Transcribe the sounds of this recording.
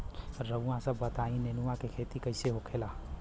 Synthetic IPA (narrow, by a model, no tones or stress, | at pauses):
ɾəãsəbːət̪aːĩnenuwãkekʰeːt̪ikəɪseɦokʰelaː